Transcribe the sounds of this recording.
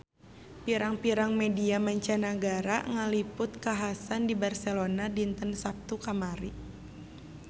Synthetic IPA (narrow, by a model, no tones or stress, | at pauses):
piɾaŋpiɾaŋmediamaɲt͡ʃanaɡaɾaŋəlipʊt̪̚kaɦasandibarsɛlonadint̪ənsap̚t̪ukamaɾi